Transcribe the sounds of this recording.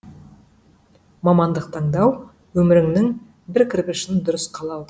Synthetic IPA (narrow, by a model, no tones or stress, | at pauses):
mɑmɑnd̪əq̚t̪ʰɑɴd̪ɑw | wɵmɪɾɪŋnɪŋ | bɪɾkʲʰɪɾpɪʃɪnd̪ʊɾəsqʰɑlˠɑwd̪